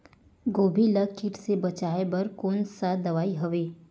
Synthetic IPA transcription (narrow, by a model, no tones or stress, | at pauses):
ɡoːbʱiləkɪʈsebɐt͡ʃaːebɐɾkoːnsad̪ɐʋaːiɦɐʋeː